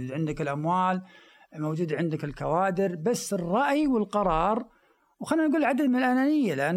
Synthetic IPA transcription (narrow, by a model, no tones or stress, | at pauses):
uːd̪ʕɪnd̪ɪkɪlʔamwaːl | mowd͡ʒuːd̪ʕɪnd̪ɪkɪlkawaːd̪ɪɾbasːɪrˤːɑʔjwɪlqɑɾˤɑːɾˤ | wxanːinɡuːlʕad̪ad̪mɪnɪlʔananɪjːalɪʔanː